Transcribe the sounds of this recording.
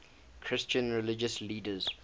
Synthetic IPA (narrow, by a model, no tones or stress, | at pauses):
kʰɹɪst͡ʃə̃nɹɛlɪd͡ʒəsliːdəz̥